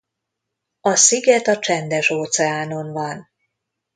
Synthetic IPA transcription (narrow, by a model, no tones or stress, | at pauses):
ɒsiɡɛt̪ɒt͡ʃɛnd̪ɛʃoːt̪sɛaːno̞nvɒn